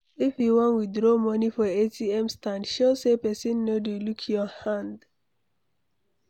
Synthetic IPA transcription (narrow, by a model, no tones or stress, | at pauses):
ifjiwɔ̃nwidɹomɔnifɔetʰiɛ̃mstãndʃosepɛsĩnːodelukʰjɔhãnd